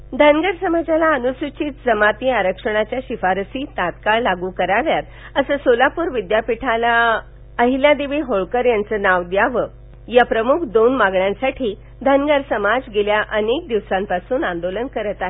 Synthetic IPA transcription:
d̪ʱənɡəɾsəmad͡zalaənusut͡ɕiːt̪̚d͡zəmat̪iːaɾəkʂəɽ̃at͡ɕjaɕifaɾsiːt̪at̪kaɭlaɡuːkəɾaʋjat̪ | əsəsolapuːɾʋid̪japiʈʰala | əɦiljad̪eʋiɦoɭkəɾjant͡sənaʋd̪jaʋə | japɾəmukʰd̪onmaɡɳjãnsaʈʰiː | d̪ʱənɡəɾsəmad͡zɡeljaʔənek̚d̪iʋsãmpasuːnãnd̪olənkəɾət̪aɦe

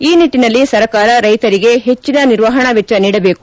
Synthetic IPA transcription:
iːniʈːinɐlːisɐɾɐkaːɾɐɾɐjt̪ɐɾiɡe̞ɦet͡ʃːinɐniɾʋɐɦɐɳɐʋɛkt͡ʃːɐniːɽɐbe̞ːku̥

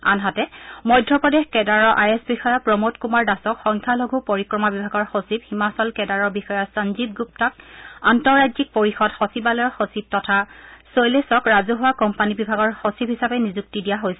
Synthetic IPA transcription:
a̰nɦatɛmɔjdʱːɔpɔdexkɛdaɹɔʔajɛsbixɔjapɹɔmotkumaɹdasɔkxɔ̃ŋkʰaloɡʱupoɹikɹɔmabibʱaɡɔɹxosibhimasɔlkɛdaɹɔɹbixɔjasanzit̚ɡup̚tak̚antɔɹːajzik̚poɹixɔdxɔsibalɔɹxosib̚tɔtʰasojlesɔkɹazuɦʊwakɔmpanibibʱaɡɔɹxosibʱɦisabɛnizuk̚tidijaɦojsɛ

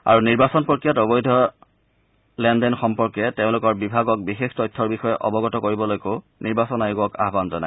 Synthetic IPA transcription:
a̰ɹuniɹbasɔnpɹokijatobojdʱɔ | lɛndɛnxɔmpɔɹkɛteʊ̃lʊkɔɹbibʱaɡɔk̚bixextɔjtʰːɔɹbixɔjɛʔɔbɔɡɔtɔkoɹibɔlojko | niɹbasɔnajuɡɔka̰ɦbanzɔna̰j

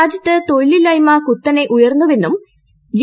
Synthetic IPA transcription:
aːd͡ʑɐt̪ːɨt̪ojililɐjmakut̪ːɐneʔujɐrnːuʋenːum | d͡ʑ

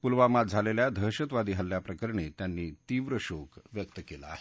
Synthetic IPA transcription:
pulʋamat̪̚d͡zʱaleljad̪ʱəɦɕət̪ʋad̪iɦalːjapɾəkəɾɳit̪janːiːt̪iʋɾəɕokʋjək̚t̪əkela̰ːɦe

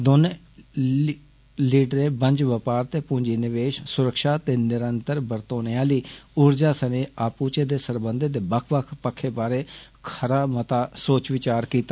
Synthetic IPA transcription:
d̪ʊne | liːɖɾeːbəɲd͡ʒʋəpaːɾt̪eːpʊ̃ɲd͡ʒiːnɪʋeːʃsʊɾəkʃaːt̪eːnɪɾənt̪əɾbəɾt̪oːneːãːliːʊɾd͡ʒaːsəneːaːpuːt͡ʃeːd̪eːsəɾbənd̪ed̪eːbəkʰbəkʰpəkʰːeːbaːɾeː | kʰəɾaːmət̪aːsoːt͡ʃʋɪt͡ʃaːɾkiːt̪aː

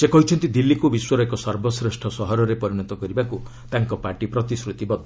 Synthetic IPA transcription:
sekɔɦit͡ʃʰɔnt̪id̪ilːikubiswɔɾɔekɔsɔɾbɔsɾesʈʰɔsɔɦɔɾɔɾepɔɾiɽ̃ɔt̪ɔkɔɾibaku | t̪aŋkɔpaɾʈipɾɔt̪isɾut̪ibɔd̪ʱ

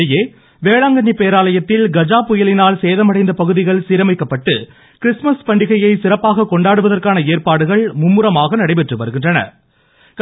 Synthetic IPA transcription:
ɐjeː | ʋeːɭaːŋɡɐnipeːɾaːlɐjɐt̪ːɪlɡɐd͡ʒaːpʊjɐlɪnaːlseːðɐmɐɽɐɪnd̪ɐpɐɣɯðɪɣɐɭsiːɾɐmɐɪkːɐpːɐʈːɯ | kɪɾɪsmɐspɐɳɖɪɣɐjɐɪsɪɾɐpːaːɣɐkɔɳɖaːɽɯʋɐðɐrkaːnɐeːrpaːɽɯɣɐɭmʊmːɯɾɐmaːɣɐnɐɽɐɪpɛʈrɯʋɐɾɯɣɪndrɐnɐ̰ | k

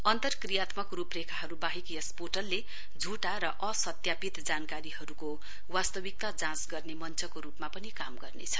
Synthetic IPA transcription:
ʌnt̪ʌrkrijat̪mʌkruprekʰaɦʌɾubaɦikjʌspoʈʌlːe | d͡zʱuʈaɾʌʔʌsʌt̪japit̪d͡zankaɾiɦʌɾuko | wast̪ʌbik̚t̪ad͡zãsɡʌrnemʌnt͡sʌkoɾupmapʌnikamɡʌrnḛt͡sʰʌn

